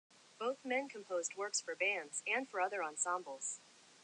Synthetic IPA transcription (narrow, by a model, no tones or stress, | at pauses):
b̥oʊθmɛ̃nkʰɨ̃m̩pʰoʊzd̚wɜ˞ksfə˞bæ̃ndz̥ɨ̃nfə˞ʌðə˞ɑ̃nsɑ̃mbl̩ˠz̥